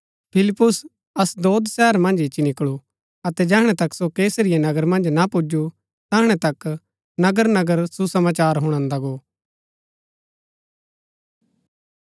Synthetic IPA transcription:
pʰɪlɪpːʊs | ɐsd̪oːd̪sɛːəɾmɐ̃nd͡ʒɪt͡ʃinɪkɭu | ɐt̪ɛd͡ʒɐɦɽ̃ɛt̪ɐksokeːsɾɪjenɐɡəɾmɐ̃nd͡ʒnapʊd͡ʒu | t̪ɐɦɽ̃ɛt̪ɐk | nɐɡəɾnɐɡəɾsusɐmaːt͡ʃaːɾɦʊɽ̃ãːnd̪aɡoː

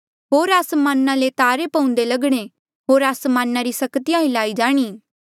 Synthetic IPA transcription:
ɦoːɾaːsmãːnːãlet̪aːɾepɐʊ̃nd̪elɐɡɽ̃e | ɦoːɾaːsmãːnːaɾisɐkt̪ɪjãĩlaːid͡ʒaːɽ̃iː

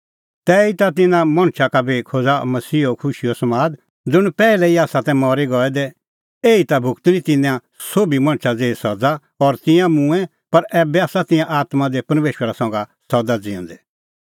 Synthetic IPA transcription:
t̪ɛːit̪at̪̬ɪnãmɐ̃ɽ̃t͡ʃʰakabekʰod͡zamɐsiːokʰʊʃiosɐmaːd̪ | d͡zʊñpɛːlɛiaːsat̪ɛ̃mɔːɾiɡɔɛd̪ɛ | eːit̪abʱʊkt̪nĩt̪ɪ̃nːã | soːbimɐ̃ɽ̃t͡ʃʰad͡zeːisɔd͡za | ɔɾt̪ɪ̃jãmũɛ̃ | pɐɾɛːbɛaːsat̪ɪ̃jãʔaːt̪mãd̪epɐɾmeːʃwəɾasɐ̃ŋɡasɔdad͡zĩʊ̃nd̪ɛ

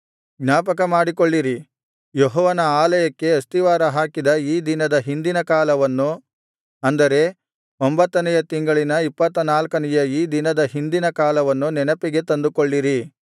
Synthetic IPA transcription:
ɡnaːpɐkɐmaːɽikoɭːiɾi | joɦɔːʋɐnɐaːlɐjɐkːe̞ɐst̪iʋaːɾɐɦaːkid̪ɐiːd̪inɐd̪ɐɦind̪inɐkaːlɐʋɐnːu | ɐnd̪ɐɾe̞ | ombɐt̪ːɐnɛjɐt̪iŋɡɐɭinɐipːɐt̪ːɐnaːlkɐnɛjɐiːd̪inɐd̪ɐɦind̪inɐkaːlɐʋɐnːunɛnɐpiɡe̞t̪ɐnd̪ukoɭːiɾi

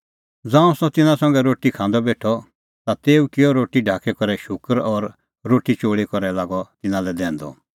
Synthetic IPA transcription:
d͡zãːũsɔ̃t̪ɪnãsɐ̃ŋɡɛɾoːʈikʰãːnd̪ɔbeːʈʰɔ | t̪at̪eːukɪjɔɾoːʈiɖʱaːkɛkɔɾɛʃʊkəɾɔːɾ | ɾoːʈit͡ʃoːɭikɔɾɛlaːɡɔt̪ɪnãlɛd̪ɛ̃ːnd̪ɔ̰

